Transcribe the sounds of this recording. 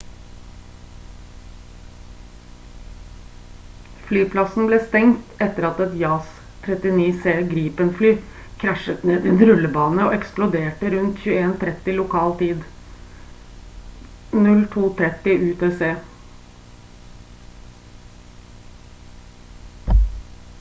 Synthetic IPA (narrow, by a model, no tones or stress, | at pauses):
flyːpʰlɑsn̩bleːst̪ɛŋt̪ɛt̪ːəɾɑt̪ɛt̪jɑːs | t̪ʰːɾɛt̪ɪniːseːɡɾiːpənflyː | kʰɾæʃət̪neːd̪ɪɛnɾʉləbɑːnəoːɛksplʊd̪eːʈəɾʉnt̪çʉːəeːnt̪ʰɾɛt̪ːɪlʊkʰɑːlt̪ʰiːd̪ | nʉlt̪ʰuːt̪ʰɾɛt̪ɪʔʉːt̪ʰeːseː